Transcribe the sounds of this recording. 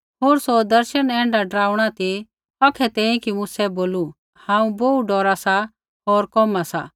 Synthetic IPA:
ɦoːɾsod̪ɐɾʃənɛ̃ːɳɖaɖɾaːuɽ̃at̪i | ɐkʰɛt̪ɛ̃ːĩkimusɛboːlu | hãːũboːuɖɔːɾasa | ɦoːɾkɔmasa̰

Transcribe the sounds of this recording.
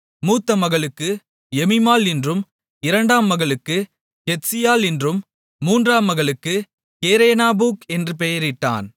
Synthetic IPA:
muːt̪ːɐmɐɣɐɭɯkːɯ | ɛmɪmaːlɪndrɯm | ɪɾɐɳɖaːmːɐɣɐɭɯkːɯ | kɛsɪjaːlɪndrɯmː | uːndraːmːɐɣɐɭɯkːɯ | keːɾeːnaːbuːkɛndrɯp̬ɛjɐɾɪʈːa̰ːn

